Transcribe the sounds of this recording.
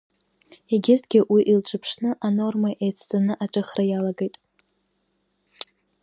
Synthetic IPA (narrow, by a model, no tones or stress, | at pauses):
eɡʲɪrtʰɡʲɪʔwiʔilʈ͡ʂʷʰʼɨpʰʂnɨʔano̞rmaʔejt͡sʰt͡sʼanɨʔaʈ͡ʂʼɨχrajalaɡejtʼ